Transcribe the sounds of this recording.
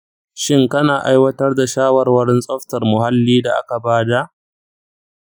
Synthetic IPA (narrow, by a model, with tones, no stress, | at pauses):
ʃɪ˦ŋkɐ˦naː˨ʔa˦jwɐ˦tɐ˦rda˨ʃaː˦wɐ˨rwɐ˦ɽɪ˦nsʼɔ˦ɸtɐ˨rmʊ˨ha˦lːiː˦da˨ʔa̰˦ka˨baː˦da˨ʔ